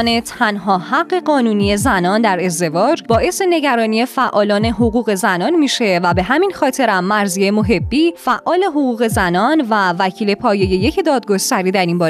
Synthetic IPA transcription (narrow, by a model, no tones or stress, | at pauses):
ne̞t̪ʰænɦɒːhæɡːe̞ɢɒːnuːnije̞zænɒːnd̪æɾe̞zd̪e̞vɒːd͡ʒbɒːʔe̞se̞ne̞ɟæɾɒːnije̞fæʔɒːlɒːne̞ɦoɣuːɣe̞zænɒːnmiːʃe̞væbe̞ɦæminxɒːt̪ʰe̞ɾæmːæɾziemo̞ɦe̞bːiːfæʔʔːɒːle̞ɦo̞ɣuːɣe̞zænɒːnvævæcʰiːle̞pʰɒːje̞je̞je̞cʰd̪ɒːd̪̚ɡo̞st̪æɾiːd̪æɾinbɒːɾ